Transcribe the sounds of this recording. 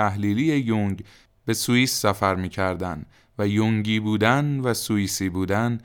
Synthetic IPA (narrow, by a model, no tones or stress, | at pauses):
æɦliːlijejoŋɟ | be̞suiːsːæfæɾmiːcʰæɾd̪æn | væjoŋɟiːbuːd̪ænvæsuiːsiːbuːd̪æn